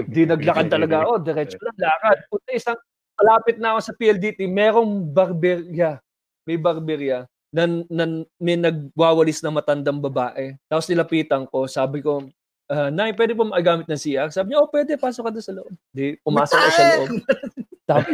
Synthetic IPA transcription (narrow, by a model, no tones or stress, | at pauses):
nd̪inɐɡlɐkɐd̪̚t̪ɐlɐɡaʔo̞d̪ɛɾɛt͡ʃonɐŋlaːkɐd̪̚kʊɐʔɪsaŋ | mɐlaːpɪt̪̚nɐʔɐko̞sɐpiːʔɛld̪iːt̪imɛːɾo̞ŋbɐɾbɛɾjɐ | mɛjbɐɾbɛɾjɐ | nɐnɐmɛnɐɡ̚waːwɐlɪsnɐŋmɐt̪ɐnd̪ɐŋbɐbaːʔɛt̪aːposnɪlɐpiːt̪ɐŋko̞saːbɪko̞ | ʔanajp̬wɛːd̪ɪpomɐʔɐɡaːmɪt̪̚nɐŋsiːʔɐk̚saːbɪɲaʔopwɛːd̪ɛpaːsokɐd̪osɐloʔob̚d̪ipʊmaːsokːosɐloʔob̚ | t̪a